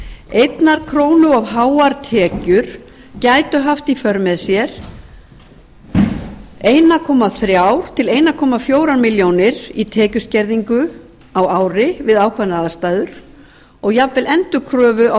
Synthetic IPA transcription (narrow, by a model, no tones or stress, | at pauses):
ejt̪naɾ̥kʰɾoːwnʏavɦaːwaɾt̪ʰɛːcʏɾ̥ | caːjt̪ʏɦaft̪ifœɾmɛðsjɛɾ̥ | eːjnakʰɔːmaθɾjawɾ̥t̪ʰɪleːjnakʰɔːmafjoːwɾanmiljownɪɾit̪ʰɛːcʏscɛɾðiŋkʏ | awaːwɾɪvɪðaːwkʰvanaðast̪aːjðʏɾ̥ | ɔɣjapvɪlɛnt̪ʏkʰɾœːvʏa